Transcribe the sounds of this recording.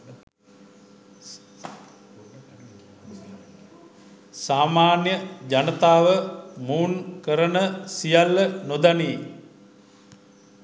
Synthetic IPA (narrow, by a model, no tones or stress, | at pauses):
saːmaːnjəd͡ʒanət̪aːʋəmuːnkəɾənəsijalːənod̪aneː